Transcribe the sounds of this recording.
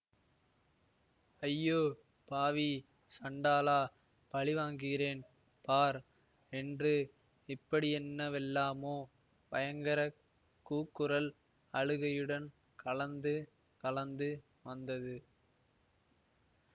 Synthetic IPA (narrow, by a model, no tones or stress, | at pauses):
ɐjːoː | paːʋi | sɐɳɖaːlaː | pɐɭɪʋaːŋɡɯɣɪreːn | paːɾ | ɛndrɯ | ɪpːɐɽɪɛnːɐʋɛlːaːmoː | pɐjɐŋɡɐɾɐ | kːuːkːɯɾɐl | ɐɻɯɣɐjɯɽɐn | kʰɐɭɐnd̪ɯ | kɐlɐnd̪ɯ | ʋɐnd̪ɐðɯ